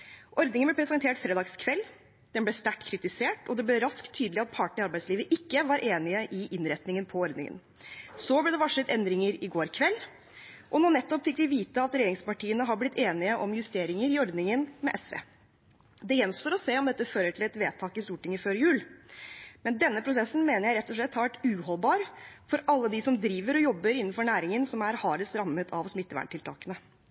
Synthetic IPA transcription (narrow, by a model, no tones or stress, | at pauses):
ʔɔɾd̪nɪŋənblɛpʰɾɛsɛnt̪ʰeːʈfɾeːd̪ɑːɡskʰʋɛlː | d̪̥ɛnblɛst̪æʈkʰɾɪt̪ɪseːʈɔd̪ɛblɛɾɑskt̪ʰːyːd̪lɪɑt̪̚pʰɑʈəɳɪɑɾbæɪsliːʋəʔɪkːəʋɑːɾʔeːnɪəʔɪʔɪnɾɛt̪nɪŋənpʰɔɔɾd̪nɪ̰ŋə̰n | sɔblɛd̪ɛʋɑʂət̪ɛnd̪ɾɪŋəɾɪɡoːɾkʰʋɛlː | ʔɔnɔnɛt̪ːɔpfɪkʋɪʋiːt̪əɑt̪ɾɛjeːɾɪŋspɑʈʰiːənəɦɑɾblɪt̪ʰːeːnɪəʔɔmjʉst̪eːɾɪŋəɾɪɔɾd̪nɪŋənmɛʔɛsʋḛː | d̪ɛjɛnst̪oːɾɔseːɔmd̪ɛt̪ːəføːɾəʈʰɪlɛt̪ʋeːt̪ʰɑːkɪst̪uːʈɪŋːəføːɾjʉːl | mɛnd̪ɛnːəpʰɾʊsɛsːn̩meːnəɾjæɪɾɛt̪ːɔʂɭɛt̪hɑɾʋæʈːʉːhɔlbɑːɾfɔɾɑlːəd̪ɪsɔmd̪ɾiːʋəɾɔjɔbːəɾɪnːnfɔɾɳæːɾɪŋənsɔmæɾhɑːɾəsɾɑmːət̪ʰɑʋsmɪt̪ːəʋæ̰ɳʈʰɪlt̪ʰɑ̰ːkənə